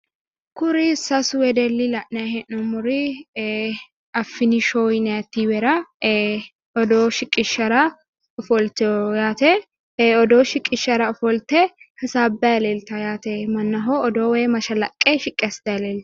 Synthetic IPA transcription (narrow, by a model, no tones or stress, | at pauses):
kʊɾɪsɐswɛd̪ɛlːɪlɐʔnɐhɛʔnɔmːʊɾɪ | ɐfːɪnɪʃoːjnɐɐt̪ːiwɛɾɐ | ɔd̪oːʃɪkʼːɪʃɐɾɐ | ɔfɔlt̪jaːt̪ɛ | ɔd̪oːʃɪkʼːɪʃɐɾɐʊfɔlt̪ɛhɐsaːbːɛjɐlelt̪ɐjaːt̪ɛmɐnːɐɦoɔd̪oːweːmɐʃɐlɐkʼːeʃɪkʼːɛst̪ɐɐlelt̪ɐ̥